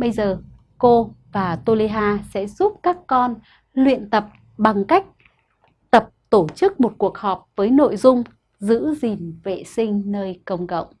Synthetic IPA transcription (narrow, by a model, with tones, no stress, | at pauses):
ɓə˧jzəː˨˩ | ko˧vaː˨˩t̪o˧li˧ɦaː˧sɛ̰˧˥zu˦˥p̚kaː˦˥kːɔ˧n | lwḭ˧˨ənt̪ə˨˩p̚ | ɓa˨˩ŋka˦˥jk̟̚ | t̪ə˨˩p̚t̪o˧˩t͡ɕɨ˦˥k̚mo˨˩t̚ku˨˩ək̚hɔ˨˩p̚vəː˨˦jno̰˧˨jzʊ˧ŋ͡m | zɨ̰˧˥zi˨˩nvḛ˧˨sï˧ŋ̟nəː˧jkə˧wŋ͡mɣə̰˧˨wŋ͡m